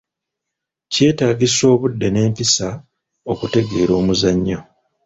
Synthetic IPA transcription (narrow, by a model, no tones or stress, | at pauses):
ce̞ːtaːɡiso̞ːβudːe̞ne̞ːmpisa | o̞kute̞ɡe̞ːɾo̞ːmuzaɲːo